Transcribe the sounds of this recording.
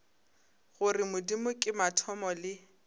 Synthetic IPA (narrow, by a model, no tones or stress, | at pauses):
ɣʊrɪmʊdimʊkʼɪmatʰɔmɔlɪ